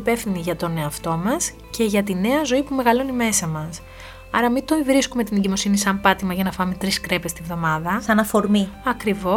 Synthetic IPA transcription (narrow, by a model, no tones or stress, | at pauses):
pefθiniʝɐt̪o̞ne̞ɐft̪o̞mɐs | ce̞ʝɐt̪ine̞ɐzo̞ipume̞ɣɐlo̞nime̞sɐmɐs | ɐɾɐmit̪oivɾiskume̞t̪ineɲɟimo̞sinisɐmpɐt̪imɐʝɐnɐfɐmet̪ɾiskɾe̞pest̪ivðo̞mɐðɐsɐnɐfo̞ɾmiɐkɾivo̞